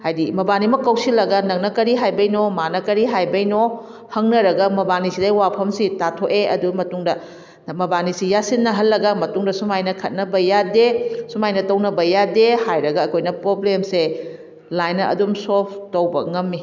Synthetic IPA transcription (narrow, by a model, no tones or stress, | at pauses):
hajdimɐbanimɐkːɐwsilɐɡɐnɐŋnɐkɐɾiɦajbɐjnomanɐkɐɾiɦajbɐjno | hɐŋnɐɾɐɡɐmɐbanisidɐwapʰɐmsitatʰoʔeɐdumɐtuŋdɐ | mɐbanisijasinːɐɦɐlːɐɡɐmɐtuŋdɐsumajnɐkʰɐt̚nɐbɐjadesumajnɐtɐwnɐbɐjadehajɾɐɡɐːkʰojnɐpɾoblemse | lajnːɐɐ̰dumsop̚ʰtɐwbɐŋɐmːi